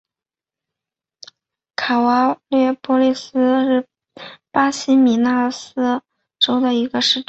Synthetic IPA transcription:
kʰa˨˩wa˧˥lɥɛ˥˩pwɔ˧˥li˥˩sɹ̩˥ʂɻ̩˥˩ | pa˥ɕi˥mi˨˩na˥˩˧s̩˥ | ʈ͡ʂo˥ʊd̪ə˨i˧˥ɡə˧ʂɻ̩˥˩ʈ͡ʂ

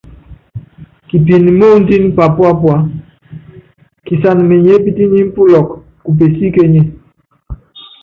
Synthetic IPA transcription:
ki˨p̬i˨n˨mo˦n˦di˦n˦pa˨pwa˦pwa˦ | ki˨sa˨n˨me˨ɲe˦bi˦ti˦ɲi˦m̩˦pu˦lɔ˨k | ku˨p̬e˨si˦ke˦ɲe˦

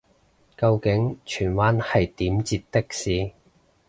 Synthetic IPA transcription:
kɐ˧wkɪ˨˥ŋt͡ʃʰyː˨˩nwaː˦˥nhɐ˨jt̪iː˨˥mt͡siː˧t̚t̪ːɪ˥k̚siː˨˧

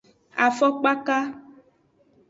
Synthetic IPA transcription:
a˨fɔ˦k͡pa˦ka˦

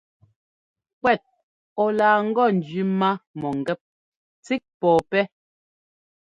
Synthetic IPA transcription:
kwɛ˦˨t̚ | ɔ˨laː˨ŋ̩˦ɡɔ˦˨n˨d͡ʒɥi˨˦ma˦mɔ˨ŋ̩˨ɡɛ˦p̚ | t͡si˦k̚pɔː˨pɛ˦

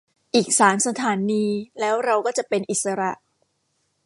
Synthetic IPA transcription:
ʔiː˨˩k̚saː˩˦msa˧t̪ʰaː˩˦niː˧lɛː˦˥wɾa˧wkɔː˥˩t͡ɕa˨˩pe˧nʔi˨˩t̪̚sa˧ɾa˨˩ʔ

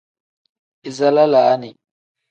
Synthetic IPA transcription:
i˨za˦la˦laː˨˦ni˨

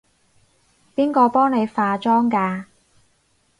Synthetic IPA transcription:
piː˥nkɔː˧pɔː˥ŋne˨˧jfaː˧t͡ʃɔː˥ŋkaː˧

